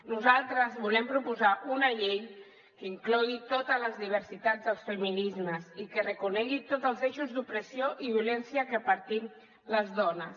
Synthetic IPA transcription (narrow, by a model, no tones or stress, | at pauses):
nuzalˠt̪ɾəzβulɛmpɾupuzaʔunəʎej | kəiŋklɔit̪ot̪ələzðiβ̞əɾsit̪ad͡zðəlˠsfəminizməzikərəkunɛɣit̪ot̪zəlˠzeʃuzðupɾəsioʔiβjulɛnsiəkəpəɾt̪im | ləzðɔnəs